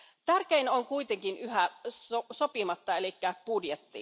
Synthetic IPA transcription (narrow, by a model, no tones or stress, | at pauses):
t̪ærkeinoŋkuit̪eŋkinyhæosopimɑt̪ːɑelikːæpudjet̪ːḭ